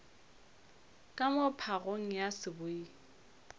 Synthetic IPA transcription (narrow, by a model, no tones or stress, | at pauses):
kʼamʊpʰaɣoŋ̩jasɪbʊi